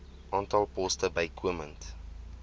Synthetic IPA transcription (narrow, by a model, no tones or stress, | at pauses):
ʔɑːntɑlˠpɔstəbɐɪkʰuəmənt